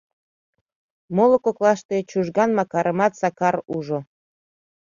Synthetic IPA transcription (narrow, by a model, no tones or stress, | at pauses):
molokoklɑʃt̪et͡ɕuʒɣɑnmɑkɑɾəmɑt̪sɑkɑɾuʒo